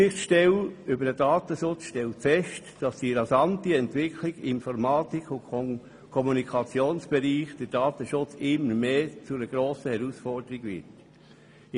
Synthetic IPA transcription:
ɪχʃtɛlʏbəɾəd̥ɑːt̪əʃʊt͡sʃtɛltfɛʃtd̥ɑsd̥iɾɑsɑntiɛntʋɪkʰliɡ̥ɪnfɔɾmɑːt̪ikʰʊ | kʰɔmunikʰɑt͡sjoːnsb̥ɛɾiːχd̥əɾd̥ɑːtəʃʊt͡sɪmːəɾmeːt͡sʊəɡ̥ɾoːsəhɛɾusfɔrd̥əɾiɡʋɪ̰ɾt

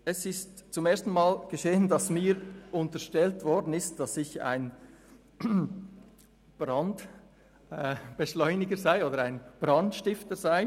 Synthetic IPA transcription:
ɛsɪstt͡sʊmeːɐstn̩maːlɡ̥əʃeːəndɑsmiːɾʊntəʃtɛltv̥ɔɾdn̩ɪst̚d̥ɑsɪça̰ɪn | b̥ʁɑnd | ɛb̥eʃlɔʏnɪɡəzaɪoːdəɾaɪnb̥ʁɑntʃtɪftəzaɪ

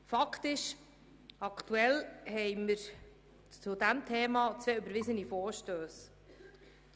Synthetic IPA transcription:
fɑktɪʃ | ɑktuɛlhɛɪməɾ | t͡sʊdæmt̪ʰeːmɑːt͡sveːøbəɾvɪzənifɔːɾʃtøːs

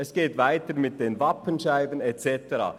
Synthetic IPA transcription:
ɛsɡ̥eːtvaɪtəɾmɪt̚d̥eːnvɑpənʃaɪbənɛt͡sɛtəɾɑ̰ː

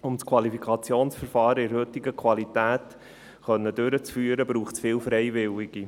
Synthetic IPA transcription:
ʊmskʰwɑlifikʰɑt͡sjoːnsfəɾfɑːɾəɪɾhɵt̪ɪɡəkʰʋɑlit̪æːt | χœnːədøɾət͡sfyːəɾəbɾuːχt͡sfɪːlfɾɛjvɪlɪɡi

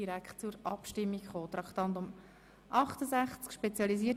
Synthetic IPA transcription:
iɾækχtt͡sʊɾɑpʃtɪmːikχoːt̪ɾɑkχt̪ɑnt̪ʊm | ʔɑχt̪əzæχt͡skʃpɛt͡sjɑliziə

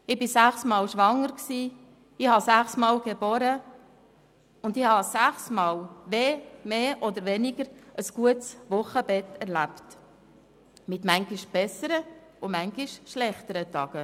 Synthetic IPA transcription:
ɪbɪsæχsmɑːlʃʋɑŋəɾksiː | ɪhɑsæχsmɑːlɡ̥eboːɾə | ʊnd̪ɪhɑsæχsmɑːlʋeːmeːʔɔd̪əɾʋɛnɪɡ̥əɾʔəsɡ̥uətsʋʊχəb̥ɛtɛɾlæpt | mɪt̪mæŋɡɪʃb̥ɛsəɾə | ʊmæŋɡɪʃʃlɛχt̪əɾətɑɡ̥ə

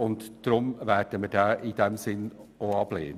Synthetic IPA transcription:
ʊntd̪̥ɾʊmvæːɾd̥əmədɛːʔid̪ɛmsɪnoɑb̥lḛːnə

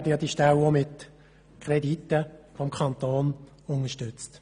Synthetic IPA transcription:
dəjɑd̥̪iʃtɛlomɪt | kʰʁɛdit̪ːəfɔmkʰɑnt̪oːn | ʊnəʃtʏt͡st

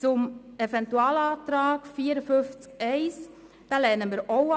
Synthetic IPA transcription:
t͡sʊmɛvɛntuɑːlɑːt̪ɾaːkfiːəɾəfʏft͡skɛɪs | d̥ɑːlɛnəmiːɾʔo

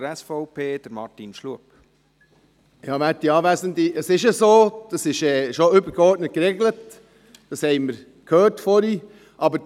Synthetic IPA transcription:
ɾɛsfɔʊpʰeːd̥əɾmɑɾtinʃluəp | jɑːʋætiɑːʋæzəndiʔəsɪʃəsoːd̥ɑsɪʃɛːʃoʏbəɾɡeɔɾtnət̚kɾeɡlət | d̥ɑshɛɪməɾ | kʰhøːɾtfɔɾi | ʔɑbə

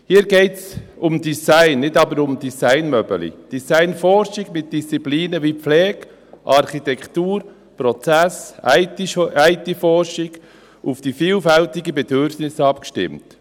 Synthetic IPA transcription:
hiːɾɡeɪts | ʊmdisaɪnːɪdɑbəɾʊmd̥isaɪnmœbəlḭd̥isaɪnfɔɾʃɪɡmɪt̚d̥ist͡sipliːnəviflɛːɡ̥ | ʔɑɾχitɛktuːɾ | pɾɔt͡sæsaɪæɪtifɔɾʃɪɡ̥ | ʊfd̥ifiːlfɛltɪɡəbɛd̥ʏɾfnɪsɑpkʃtɪ̰mt

